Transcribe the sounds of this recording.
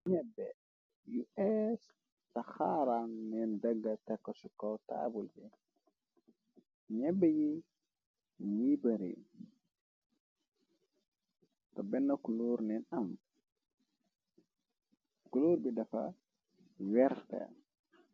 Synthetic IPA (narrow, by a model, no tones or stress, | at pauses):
ɲɛbːɛ | juʔɛs | taxaɾannɛndaɡːatɛkːɔsukɔwta̰ːbulbɛ | ɲɛbːɛji | ɲibaɾḭ | tɔbɛnːakuloɾnɛnam | kuloɾbidafa̰ | wɛɾtɛ̰